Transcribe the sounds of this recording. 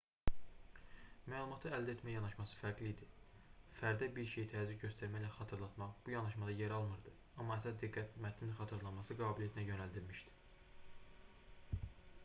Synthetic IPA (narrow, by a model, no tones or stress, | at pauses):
mæːlˠumɑt̪ʰɯæld̪æet̪ʰmæjjɑnɑʃmɑsɯ̥fæɾɡliːd̪ifæɾd̪æbiɾʃejit̪ʰæːzycɟø̞st̪æɾmæjlæχɑt̪ʰɯɾlˠɑt̪mɑχb̥ujɑnɑʃmɑd̪ɑjeɾɑlˠmɯɾd̪ɯ | ɑmːɑæsɑsd̪iɡːæt̪mæt̪ʰninχɑt̪ʰɯɾlˠɑnmɑsɯɡɑːbilʲjæt̪ʰinæjø̞næld̪ilmiʃd̪i̥